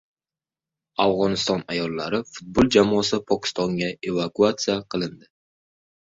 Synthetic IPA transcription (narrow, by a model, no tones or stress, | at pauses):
avʁɒnɪst̪ɒnajɒlˠːaɾɪfʊt̪̚bolˠd͡ʒamɒsɪpʰɒkʲʰɪ̥st̪ɒŋɡʲae̞vakuat̪sijaqʰɨlˠɪnd̪ɪ